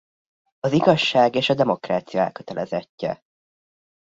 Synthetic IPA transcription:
ɒziɡɒʃːaːɡeːʃɒd̪ɛmo̞kra̰ːt̪sijɒɛ̰lkø̥t̪ɛlʔɛzɛcːɛ̰

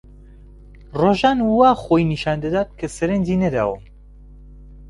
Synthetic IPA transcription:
roːʒaːnwaːxoːjniʃaːnd̪ɐd̪aːt̪̚kʰɐsɐɾɛnd͡ʒinɐd̪a̰ːwɐm

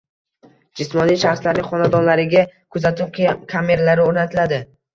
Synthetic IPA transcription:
d͡ʒɪsmɒnijʃaχslaɾnɪχɒnad̪ɒnlaɾɪɡʲakʰʊzat̪ʰɪp̚kʰame̞ɾalaɾɪoɾnat̪ʰɪlad̪ɪ

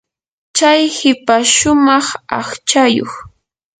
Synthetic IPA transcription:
t͡ʃajhɪpaʃʊmɑχɑ̰χt͡ʃajo̰χ

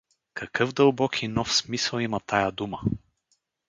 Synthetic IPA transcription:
kʰɐkɤvd̪əlˠbɔkʰinɔfsmisəlˠimɐt̪ajəd̪umə

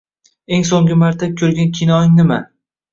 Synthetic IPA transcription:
eŋs̬oŋɡʲɪmaɾt̪ʰakʲʰɵɾɡʲankʲʰinɒɪŋnɪma

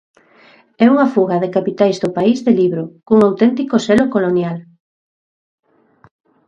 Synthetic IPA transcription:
ɛuŋafuɣɐðekapit̪ajzðʊpaizðeliβɾʊkuŋawt̪ɛnt̪ikosɛlokolonjal

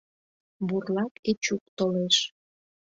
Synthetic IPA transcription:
burlɑket͡ɕuk̚t̪oleʃ

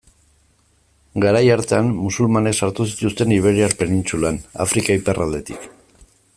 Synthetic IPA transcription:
ɡaɾajaɾt̪eanmusulmanesaɾt̪usit̪ust̪e̞niβ̞e̞ɾiaɾpe̞nint͡sulana̰fɾikaipe̞rald̪e̞t̪ik

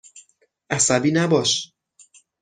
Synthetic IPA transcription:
ʔæsæbiːnæbɒːʃ

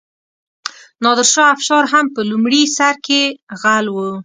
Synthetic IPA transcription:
nɑd̪əɾʃɑafʃɑɾɦampəlumɽisaɾkeɣalwə

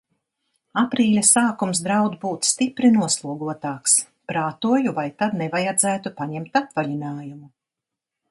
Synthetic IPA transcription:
apɾiːlʲasaːkums̬d̪ɾawd̪buːt̪st̪ipɾinuɔslˠuɔɡuɔt̪aːks | pɾaːt̪uɔjuvajt̪ad̪nɛvajad̪zæːt̪upaɲɛmt̪apvaʎinaːjumu

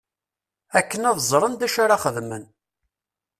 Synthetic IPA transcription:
ækːənæðzˤɾˤənd̪æʃaɾaχəðmən

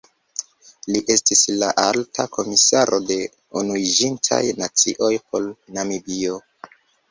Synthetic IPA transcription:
liʔe̞stislaʔaltʰakʰo̞misaɾʔo̞de̞ | unuid͡ʒintʰa̰jnat͡sḭʔo̞jpo̞lnamibio̞

